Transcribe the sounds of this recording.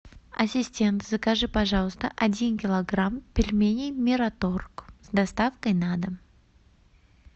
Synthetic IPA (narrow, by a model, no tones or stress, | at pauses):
ɐsʲɪsʲtʲe̞nt̪zəkɐʐɨpɐʐɑlˠəst̪əʔɐdʲinkʲɪlˠɐɡrampʲɪlʲmʲenʲijmʲɪɾat̪orkzd̪ɐst̪afkəjnad̪ə